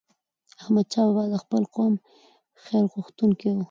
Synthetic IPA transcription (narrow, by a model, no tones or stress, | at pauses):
ahmad̪̚t͡ʃɑwbɑd̪əxpəlqom | xelɣʊxt̪unkiwu